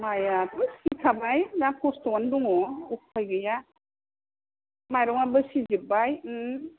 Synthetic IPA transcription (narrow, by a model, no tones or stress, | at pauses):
majatɯsikʰamajdakʰɔstɔanduŋɔuk̚pʰɔjɡɯja | majɾɔŋabɯsizibaj